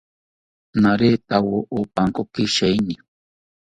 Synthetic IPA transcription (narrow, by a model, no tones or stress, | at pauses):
naɾet̪awoʔupaŋkokiʃajni